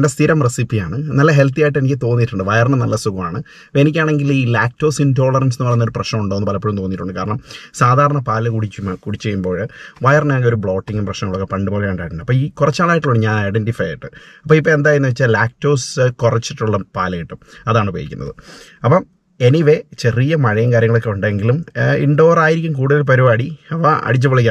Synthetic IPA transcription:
ndest̪ʰiɾɐmresipːijaːɳɨnɐlːɐɦe̞lt̪ijaːjiʈːenikʲːɨt̪o̞ːnːiʈːuɳɖɨʋɐjɐrɳɨnɐlːɐsuɣɐmaːɳɨ | enik̬ʲːaːɳe̞ŋɡiliːlaːk̚to̞ːsindo̞ːɭɐrɐnsnːɨɐrɐjunɐoɾuprɐɕnɐmuɳɖoonːɨpɐlɐpːeɻumt̪oːnːiʈːuɳɖɨkaːɾɐɳɐmsaːd̪ʱaːɾɐɳɐpaːlɐkuɽit͡ɕːumkuɽit͡ɕːejːumbo̞ːɻʋɐjɐrnɐakio̞ɾubɭo̞ːʈːiŋɡumprɐɕnɐŋːɐɭokːepɐɳɖɨpolːejuɳɖaːjʈːuɳɖɐpːoːiːkurɐt͡ɕːaːɭaːjiʈːɨɭoɽɲaːnɐjɖentifɐjɐ̰jiʈːɨɐpːoːipːoe̞nd̪aːjɾunːɨʋet͡ɕːalaːk̚to̞ːskurɐt͡ɕːiʈːuɭːɐpaːlɐjiʈːumɐðaːɳɨpo̰ːjikʲːunːɐ̰ðɨ | ɐpːo | eniʋe̞t͡ɕe̞rijɐmɐɻɐjɐŋkaːɾjɐŋːɐɭo̞kːeuɳɖɐeŋɡilumḭɳɖo̞ːraːjiɾikʲːumkuːɽuðɐlp̬ɐɾuʋaːɽiɐʋaʔɐ̰ɽit͡ɕ̬ːɐpɐɭikʲːa

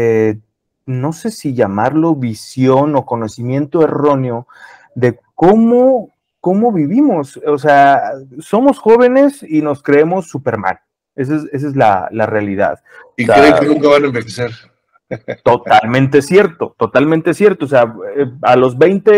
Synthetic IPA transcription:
e | no̞se̞siʝamaɾlo̞βisjo̞no̞ko̞no̞simje̞nt̪o̞e̞ro̞neo̞ | ðe̞ | ko̞mo | ko̞mo̞βiβimo̞sos̬easo̞mo̞sxo̞β̞e̞ne̞sino̞skɾe̞emo̞sːupe̞ɾma̰l | e̞s̬ese̞s̬ezla̰la̰realiða̰ð | ikɾekenũŋkaβanaembexeseɾ | t̪o̞t̪almẽ̞nt̪e̞sje̞ɾt̪o̞t̪o̞t̪almẽnt̪esje̞ɾt̪oːs̬eaealo̞zβe̞jnt̪e

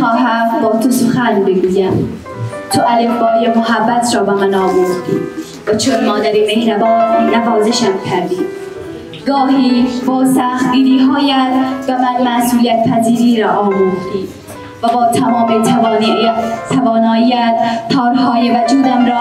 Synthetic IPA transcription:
xɒːɦæmbɒːt̪ʰosoxænbeɡuːjæm | t̪ʰoʔælefbɒːjemoɦæbːæt̪ʰɾɒːbæmænɒːmoɾd̪i | væt͡ʃʰonmɒːd̪æɾiːmehɾæbɒːnːævɒːzeʃæmcʰæɾd̪iː | ɡɒːɦiːbɒːsæxt̪ɡiːɾiːɦɒːjæt̪bæmænmæsuːliæt̪̚pʰæziːɾiːɾɒːʔɒːmoɾd̪iː | væbɒːt̪ʰæmɒːmet̪ʰævɒːnit̪ʰævɒːnɒːijæt̪p̪ʰɒːɾɦɒːjevæd͡ʒuːd̪æmɾɒː

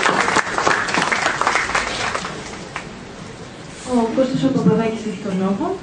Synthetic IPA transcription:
okost̪osopɐpɐðɐciseçi̥t̪onoxo

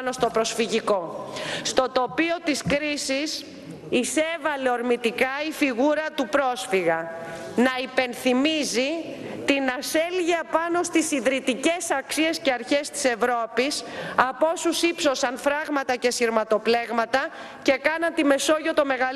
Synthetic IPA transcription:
no̞st̪o̞pɾo̞sfiʝiko̞st̪o̞t̪o̞pio̞t̪iskɾisis | ise̞vɐle̞o̞ɾmit̪ikɐifiɣuɾɐt̪upɾo̞sfiɣɐ | nɐipe̞nθimizi | t̪inɐse̞lʝiɐpɐno̞st̪isiðɾit̪ice̞sɐksie̞sceɐɾçest̪i̥se̞vɾo̞pisɐpo̞susipso̞sɐnfɾɐɣmɐt̪ɐce̞siɾmɐt̪o̞ple̞ɣmɐt̪ɐ | ce̞kɐnɐnt̪ime̞so̞ʝot̪o̞me̞ɣɐ

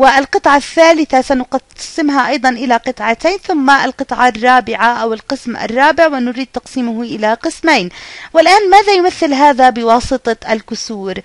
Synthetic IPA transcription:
wɪalqɨt̪ˤʕɑθːaːlɪθasanʊqɑsɪmɦaʔɑjd̪ˤɑnʔɪlaqɨt̪ˤʕɑt̪aːnθʊmːaalqɨt̪ˤʕɑrˤːɑːbɪʕaʔawɪlqɨsmʔa̰rˤːɑːbɪʕwɪnʊɾiːd̪̚t̪ɑqsiːmʊhʔɪlaqɨsmajnwɪlʔaːnmaːðajʊmaθːɪlɦaːðabɪwɑːsˤɨt̪ˤɑʔalkʊsuːɾ

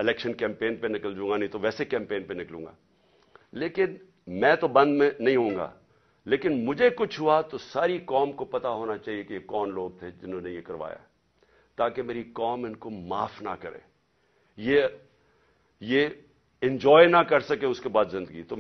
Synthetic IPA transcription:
ɪlɛːkʃənkɛ̃ːmpeːnpenɪkəld͡ʒũːŋɡanɐĩt̪oʋɛːsekɛ̃ːmpeːnpenɪklũːŋɡa̰ː | leːkɪn | mɛ̃ːt̪obɐ̃nd̪mẽnɐɦĩɦõːŋɡa̰ː | leːkɪnmʊd͡ʒʱekʊt͡ʃʰɦʊat̪osaːɾikɔːmkopɐt̪aɦoːnat͡ʃaːɦiekejekɔːnloːɡ̚t̪ʰed͡ʒɪnɦõːnejekɐɾʋa̰ːja̰ɦɛ | t̪aːkemeːɾikɔːmɪnkoma̰ːfna̰kɐɾḛ̃ː | je | je | ɪ̃ɲd͡ʒɔːjnakɐɾsɐkẽʊskebaːd̪zɪ̃nd̪əɡḭt̪o

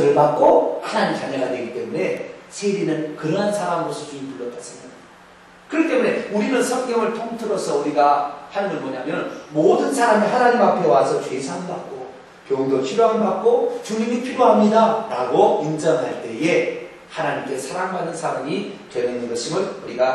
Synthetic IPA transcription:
ɾɯɭbak̚k͈ohanaɲimt͡ɕaɲʌɡadwe̞ɡit͈e̞mune̞sʰeɾinɯnkɯɾʌɦansʰaɾamɯɾosʰɯt͡ɕumipuɭːʌt̚t͈as͈ʰɯʌn | kɯɾʌit͈emune̞uɾinɯnsʰʌŋkjʌŋɯɭtʰoŋtʰɯɾʌsʰʌuɾiɡahaɲɯmɯnmʌɲamjʌnmodɯnsʰaɾamiɦanaɲimapʰewasʰʌt͡ɕwe̞sʰaŋbak̚k͈o | kjoŋdopʰiɾjoɦabak̚k͈ot͡ɕuɲimipʰiɾjoɦamɲidaɾaɡoind͡ʑʌŋɦaɭt͈e̞e̞ | hanaɲimk͈esʰaɾaŋbanɯnsʰaɾamitenenɯnɡʌɕʰimɯɭuɾiɡa

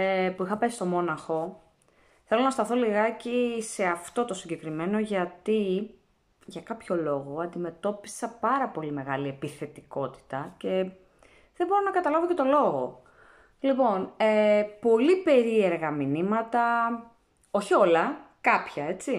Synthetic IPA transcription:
epuixɐpesist̪o̞mo̞nɐxo̞ | θe̞lo̞nɐst̪ɐθo̞liɣɐcise̞ɐft̪o̞t̪o̞siɲɟe̞kɾime̞no̞ʝɐt̪i | ʝɐkɐpço̞lo̞ɣo̞ɐnd̪ime̞t̪o̞pi̥sɐpɐɾɐpo̞lime̞ɣɐlie̞piθe̞t̪iko̞t̪i̥t̪ɐce̞ | ðebo̞ɾo̞nɐkɐt̪ɐlɐvo̞ce̞t̪o̞lo̞ɣo̞̰ | lipo̞nepo̞lipe̞ɾie̞ɾɣɐminimɐt̪ɐ | o̞çio̞lɐ | kɐpçɐe̞t͡si

